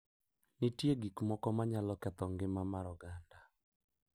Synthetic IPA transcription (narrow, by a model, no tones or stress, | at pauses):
nɪtjeɡikmɔkɔmaɲalɔkɛt̪ɔŋɡɪmamaɾɔɡanda